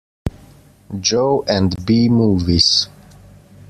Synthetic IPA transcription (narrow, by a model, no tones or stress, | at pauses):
d͡ʒoʊʔɛ̃ndbimuːviz̥